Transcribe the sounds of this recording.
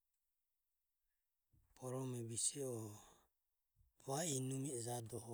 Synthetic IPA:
pʰɔɾɔmɛβisɛɔ | βainumid͡ʒad̪ɔhɔ

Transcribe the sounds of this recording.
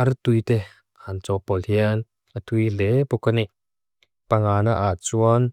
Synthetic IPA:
ɐrt̪ujt̪e | hant͡sɔpɔlhiən | at̪ujlepɔkani | paŋaːnaʔat͡suən

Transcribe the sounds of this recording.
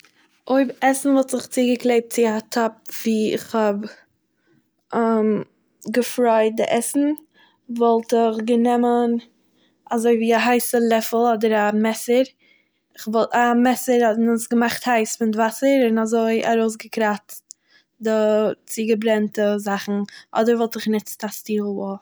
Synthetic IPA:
oɪbɛsn̩vɔlˠtzɪχt͡siːɡəklˠeɪp̚t̚t͡sɪatʰɔp̚v̥iːɪ̰χhɔb | am | ɡəfɾaɪt̚dɪ̰ʔɛsn̩ | vɔlˠtɪχɡənɛmən | azoɪviːaɦaɪsəlˠɛfl̩ˠɔdəɾamɛsəɾ | ɪχvɔlˠtamɛsəɾɔtnɪnsɡəmaχthaɪsfɪndvasəɾɪnazoɪʔa̰ɾoʊs̬ɡəkɾatt | dɪt͡siɡəbɾɛntəzaχn̩ʔɔ̰dəɾvɔlˠtɪχnɪtt͡stastiːlˠɔ

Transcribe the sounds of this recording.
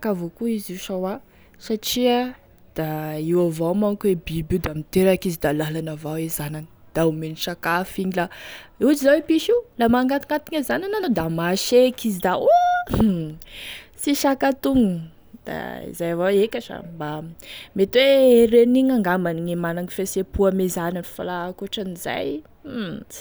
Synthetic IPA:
kavokuiziuʃawa | saʈ͡ʂia | d̪̥aiwavomaŋkwebibud̪amint̪eɾakizid̪alalanavawezananid̪̥aumeniʃakafiɲilaud͡ʒizawepiʃiwlamaŋɡat̪iŋat̪i̥ɲazanananod̪amaʃekizid̪ao | siʃakat̪uŋ | d̪̥a̰ḭzajavaekaʈ͡ʂa̰mbamet̪wereniɲaŋɡamaniŋemanaŋifesepuamezananfalakuʈ͡ʂaniz̥a̰j

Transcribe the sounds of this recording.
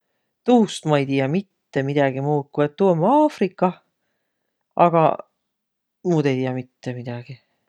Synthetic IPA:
t̪uːst̪mɑejt̪ijɑmit̪ːe̞mid̪̥ɑɡ̥imuːt̪̚kuet̪ːumːɑːfrikˑːɑ | ʔɑ̰ɡ̥ɑ̰ | mud̪e̞jt̪ijɑmit̪ːemid̪̥ɑɡ̥i

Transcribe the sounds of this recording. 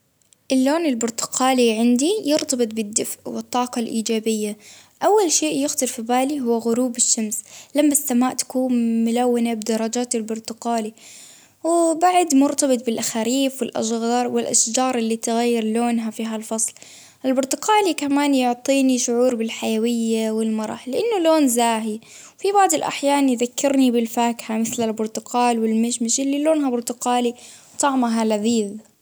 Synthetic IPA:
ʔɪlːoːnɪlbʊɾt̪ʊ̥qɑːliʕɪnd̪ijʊɾt̪ɑbɨt̪̚ˤbɪd̪ːɪfʕwɨt̪ˤːɑːqɑlʔiːd͡ʒaːbɪjːa | ʔawːalʃeːʔjʊxt̪ɨɾfibaːliɦʊwːɣʊɾuːbɪʃːamslamːasːamaːʔt̪ḁkuːnmʊlawːɪnabɪd̪ɑɾˤɑd͡ʒaːt̪ɪlbʊɾt̪ʊqaːli | wbaʕd̪mʊɾt̪ɑbɨt̪ˤbɪlʔaxaɾiːfwɪlʔa̰ʃɣɑːɾˤwɪlʔaʃd͡ʒɑːɾˤʔɪlːit̪ɪɣajːɪɾloːnɦafiːɦalfɑsˤl | ʔɪlbʊɾt̪ʊqaːlikamaːnjʊʕt̪ˤiːniʃʊʕuːɾbɪlħajawɪjːawɪlmɑɾˤɑ̰ħlːɪʔanːʊloːnzaːɦi | wfibaʕd̪ˤɪlʔa̰ħjaːnjðakːɪɾnibɪlfaːkħamɪθlalbʊɾt̪ʊqaːlwɪlmɪʃmɪʃɪlːiloːnɦabʊɾt̪ʊqaːliwt̪ˤɑʕmaɦalaðiːð

